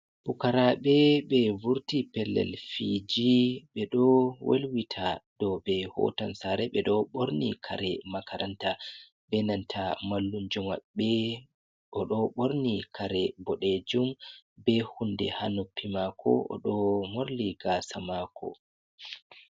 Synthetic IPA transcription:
bukaɾaɓɛɓɛvuɾtipɛlːɛ̰lfid͡ʒiɓɛɗɔwʔelwitʰad̥ɔɓɛhɔ̰tansaɾɛɓɛɗɔɓoɾnikʰaɾɛmakʰaɾʔanta | bɛnantʰamalːund͡ʒumaɓɛ | ɔɗɔɓoɾnikʰaɾɛbɔɗed͡ʒumbɛhundɛ̰hanupʰːimakʰɔ̰ɔ̰ɗɔmoɾliɡasamakʰɔ̰

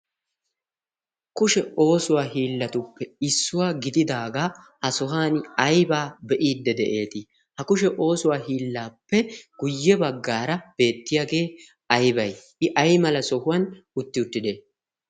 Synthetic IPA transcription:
kʊʃɛo̞ːsʊwaːɦiːlːɐt̪ʊpːɛɪsːʊwaːɡɪd̪ɪd̪aːɡa | hɐsɔɦaːnɐjbaːbɛʔiːd̪ːɛd̪ɛʔe̞ːt̪ɪ | hɐkʊʃ̬ɛʔo̞ːsʊwaːɦiːlːaːpːɛɡ̥ʊjːɛbɐɡːaːɾɐb̥e̞ːt̪ːɪjaːɡe̞ː | ɐjbɐj | ɪʔɐjmɐlɐsɔhʊwɐn | ʊt̪ːɪʊt̪ːɪd̪eː

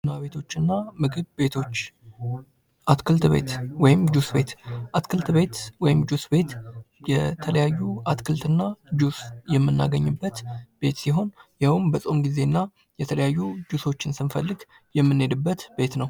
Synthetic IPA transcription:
naβe̞t̪ʰo̞t͡ʃːɨnːamɨɡɨβbe̞t̪ʰo̞t͡ʃː | ʔat̪kʰɨlt̪βe̞̰t̪wɔjɪmd͡ʒusbe̞t̪ʔat̪kʰɨlt̪be̞t̪wɔjɪmd͡ʒusbe̞t̪ | jɛt̪ʰələjajːuat̪kʰɨlt̪ʰɨnːad͡ʒusjɛmːɨnːa̰ɡəɲːɨbːət̪b̥e̞t̪siɦo̞njawmbəsʼo̞mɡize̞nːa | jɛt̪ʰələjajːud͡ʒuso̞t͡ʃːɪnsɨnfəlːɨɡ | jɛmːɨnːe̞d̪ɨbːət̪be̞t̪nəw

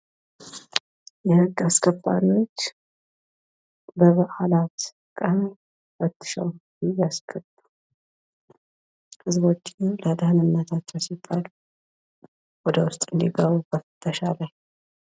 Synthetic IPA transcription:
jɛhɨɡːaskʰʼəbʼːa̰no̞t͡ʃː | bəβəʔalat̪ | kʼəh | fət̪ːɨ̥ʃɛ̰w | ɪjaskʰʼəbu | hɨzbo̞t͡ʃːiləd̪əhnɨnːət̪ʰat͡ʃːɛwsibːalu | wɔd̪əwʊst̪ʼɨnd̪iɡəβubəft̪ʰːəʃalaj

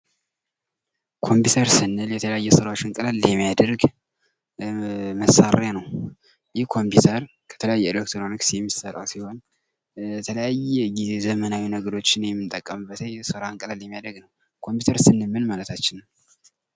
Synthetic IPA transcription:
kʰo̞mput̪ʰəɾsɨnːɨljɛt̪ʰələjajːɛsəɾawot͡ʃːɨŋkʼəlalːɛmːijad̪əɾɡ | məsaɾjanəw | jɪhkʰo̞mpit̪ʰəɾ | kʰə̥t̪ʰələjajːɛilek̚t̪ʰɾonɨksjɛmːisəɾʼa̰wsiho̞n | ɛt̪ʰələjajːɛɡizezəmənawinəɡəɾo̞t͡ʃːɪnjɛmːɨnt̪ʼəkʼːəmɨbːət̪ʰəsəɾaɨŋkʼəlalɛmːijad̪ɾəɡnəw | kʰo̞mpʰut̪ʰəɾsɨnːɨmːɨnmalət̪ʰat͡ʃːɪn

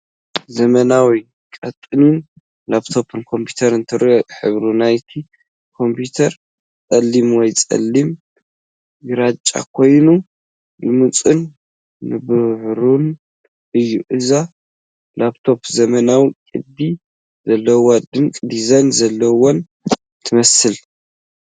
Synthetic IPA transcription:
zɐmɐnawi | kkʼɐt̪ʼːɨnin | laβt̪ʰo̞pʰɨnkʰo̞mpʰjut̪ʰɐɾɨnt̪ʰɨɾʔoʔħɨβɾunajt̪ʰi | kʰo̞mpʰut̪ʰɐɾ | t͡sʼɐlːimwɔjt͡sʼɐ̰lːim | ɡɨɾat͡ʃʼːa̰kʰo̞jnu | jɨmɨt͡sʼunː | ɨbɨʕɾun | ʔɨjːuʔɨza | labt̪ʰo̞pzɐmɐnawikʼɨd̪i | zɐlːɐwod̪ɨmkʼd̪izajnzɐlːɐwon | t̪ʰɨmɐsɨl

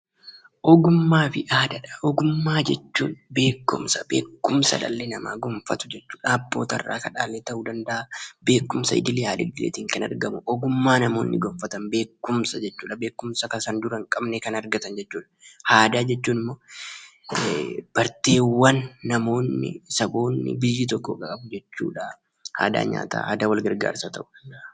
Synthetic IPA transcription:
ʔɔɡʊmːaːfɪʔaːd̪ɐᶑɐ̥ʔɔɡʊmːaːd͡ʒɛt͡ʃːṵːnbe̞ːkːʊ̰msɐbe̞ːkːʊmsɐ̰ᶑɐ̰lːenɐma̰ːɡɔmfɐt̪ʊ̥d͡ʒɛt͡ʃːu̥ːᶑaːbːoːt̪ɐ̰rːa̰ːkɐᶑaːlːet̪ɐʔuːd̪ɐnd̪ɐʔabe̞ːkːʊmsɐɪ̰d̪ɪlɪjaːlɪ̰ɡɡ̪ɪlḛːt̪iːŋkɐnɐ̰ɾɡɐmʊʔɔɡʊmːaːnɐmo̞ːnːɪɡɔmfɐt̪ɐnbe̞ːkːʊmsɐd͡ʒɛt͡ʃːuːᶑɐbe̞ːkːʊmsɐkɐsɐnd̪ʊɾɐŋkʼɐbnekɐnɐɾɡɐt̪ɐnd͡ʒɛt͡ʃːuːᶑɐhaːd̪aːd͡ʒɛt͡ʃːuːnɪmːo̞ː | b̥ɐɾt̪e̞ːwːɐnːɐmo̞ːnːɪ̰sɐbo̞ːnːɪ̰bɪjːɪt̪ɔkːokʼɐkʼɐbʊd͡ʒɛt͡ʃːṵːᶑa | ha̰ːd̪a̰ːɲa̰ːt̪a̰ːa̰ːd̪awɐlɡɐɾɡa̰ːɾsaːt̪ɐ̰ʔʊ̥

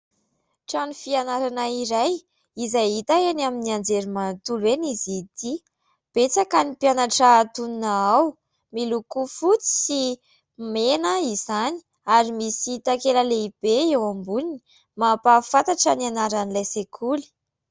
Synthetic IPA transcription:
ʈ͡ʂanufianaɾanaiɾaj | izajit̪aenaminiand͡zeɾimant̪ulenizit̪i | b̥et͡sakanipianaʈ͡ʂaːt̪uninaaw | milukufut͡si̥si | menəizani̥ | aɾimisit̪akeləleib̥eewambulini̥ | mapafat̪aʈ͡ʂənianaɾanilejsekʰuli̥

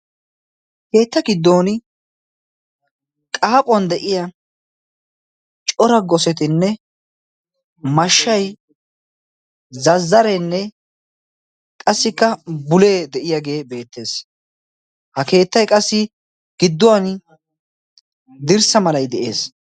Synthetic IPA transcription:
ke̞ːt̪ːɐɡɪd̪ːoːn | kʼaːpʼːɔnd̪ɛʔɪjɐ | t͡ʃʼɔɾɐɡɔsɛt̪ɪnːɛ | mɐʃːɐj | zɐzːɐɾɛnːɛ | kʼɐsːɪkːɐbʊle̞ːd̪ɛʔɪjaɡe̞ːbe̞ːt̪ːe̞ːs | hɐke̞ːt̪ːɐjkʼɐsːɪ | ɡ̥ɪd̪ːʊwan | d̪ɪɾsɐmɐlɐjd̪ɛʔe̞ːs

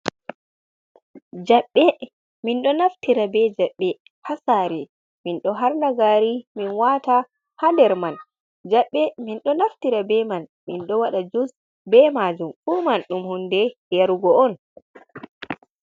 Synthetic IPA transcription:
d͡ʒaɓːɛ | minɗɔnaftiɾabɛd͡ʒaɓːɛ | hasaɾɛ | minɗɔɦaɾnaɡaːɾiminwata | handɛɾman | d͡ʒaɓːɛminɗɔnaftiɾabɛmanminɗɔwaɗad͡ʒus | bɛmad͡ʒumfumanɗumhundɛjaɾuɡɔɔn

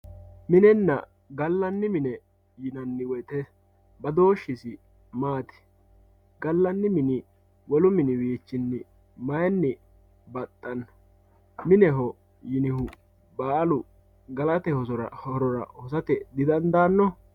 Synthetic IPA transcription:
mɪnɛnːɐ̰ | ɡɐlːɐnːɪmɪnɛ | jɪnɐnːɪwɔjt̪ɛ | bɐd̪o̞ːʃːɪsɪ | maːt̪ɪ̥ | ɡɐlːɐnːɪmɪnɪ | wɔlʊmɪnɪwiːt͡ʃːɪnːɪ | mɐjɐnːɪ | bɐt̪ʼːɐn | mɪnɛɦɔ | jɪnɪhʊ | baːlʊ | ɡɐlɐt̪ɛhɔsɔɾɐɔɾɔɾɐ̰hɔsɐt̪ɛd̪ɪd̪ɐnd̪aːnːɔ

